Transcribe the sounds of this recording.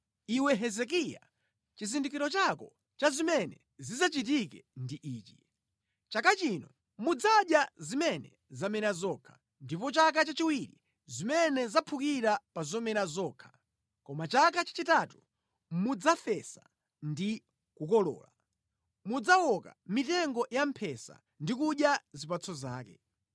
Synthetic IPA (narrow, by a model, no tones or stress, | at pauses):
iwɛɦɛzɛk̬ija̰ | t͡ʃizindik̬iɾɔt͡ʃakɔ | t͡ʃazimɛnɛ | zizat͡ʃit̬ikɛ̰ndiʔiːt͡ʃi | t͡ʃakat͡ʃinɔ | mud͡zaɗjazimɛnɛ̰ | zamɛnazɔkʰḁ | ndipɔt͡ʃak̬at͡ʃat͡ʃiwiɾḭ | zimɛnɛzapʰukiɾapazɔmɛɾazɔːkʰḁ | kɔmat͡ʃakat͡ʃḁt͡ʃitatu | mud͡zafɛsa | ndi | kukɔlɔ̰ːla̰ | mud͡zawɔka̰mitɛŋɡɔjampʰɛsa̰ | ndikuɗjazipat͡sʰɔza̰ːkɛ̰